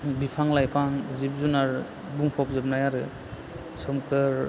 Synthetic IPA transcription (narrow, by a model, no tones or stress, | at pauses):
bipʰaŋlajpʰaŋzip̚zunaɾ | buŋpʰɔp̚zɯp̚najaɾɯ | sɔmkɯɾ